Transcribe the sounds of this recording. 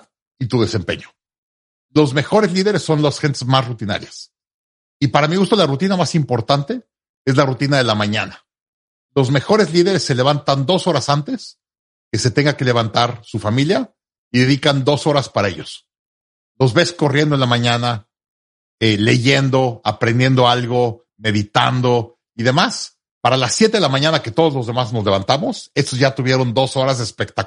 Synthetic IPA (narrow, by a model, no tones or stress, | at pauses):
it̪uðe̞se̞mpe̞̰ɲo | lo̞zme̞xo̞ɾe̞zliðe̞ɾe̞sːo̞nlosxe̞nt̪e̞zmasrut̪ina̰ɾjas | ipaɾamiɣust̪olarut̪inamasimpo̞ɾt̪ant̪e̞ | e̞zlarut̪inaðe̞lamãɲa̰na | lo̞zme̞xo̞ɾe̞zliðe̞ɾe̞sːe̞le̞β̞ant̪and̪o̞so̞ɾasant̪e̞s | ke̞se̞t̪e̞ŋɡake̞le̞β̞ant̪aɾsufamilja | iðe̞ðikand̪o̞so̞ɾaspaɾae̞̰ʝo̞s | lo̞zβe̞sko̞rje̞nd̪onlamãɲana | ele̞ʝe̞nd̪o̞apɾend̪je̞nd̪o̞alɣo̞ | me̞ðit̪a̰nd̪o̞ | iðe̞mas | paɾalasːjet̪eðelamãɲãnake̞t̪o̞ð̞o̞zlozðe̞mazno̞zle̞β̞ant̪amo̞se̞st̪ozʝat̪uβje̞ɾo̞nd̪o̞so̞ɾazðeːspe̞k̚t̪ak